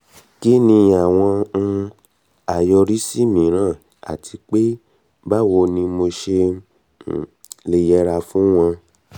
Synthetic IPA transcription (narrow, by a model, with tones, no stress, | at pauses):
ki˦nĩ˧a˨w̃ɔ̃˧ | a˨jɔ˧ɾi˦si˦˨mĩ˨˦ɾ̃ãː˦˨ | a̰˨tʰi˧k͡pe˦ | ba˦˨wo˧nĩ˧mo˧ʃe˧˨ | le˧jɛ˧ɾa˧fũ˦w̃ɔ̃˧